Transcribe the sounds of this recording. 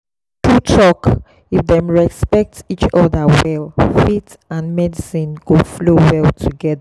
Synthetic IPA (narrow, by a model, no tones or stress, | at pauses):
tʰutʰɹɔk | ifðɛ̃mɹɛspɛk̚tit͡ʃɔðəwɛlfit | ãnmɛdisĩnɡ̥oflowɛltʰuɡɛða